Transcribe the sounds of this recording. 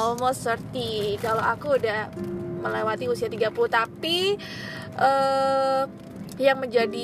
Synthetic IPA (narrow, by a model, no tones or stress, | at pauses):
olmosərt̪ikaloakuːdahməlewat̪iusiat̪iɡapuluht̪api | ʔə | jaŋməɲd͡ʒadi